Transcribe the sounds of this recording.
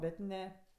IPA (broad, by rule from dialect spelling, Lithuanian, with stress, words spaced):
ˈbʲɛt ˈnʲɛ